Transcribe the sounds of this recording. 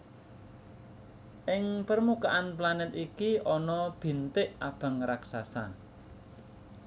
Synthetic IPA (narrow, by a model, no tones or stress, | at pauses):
ʔɪŋpərmukaʔanplanɛt̪ikiʔɔnɔb̥i̤nt̪ɪʔab̥a̤ŋɾaksasa̰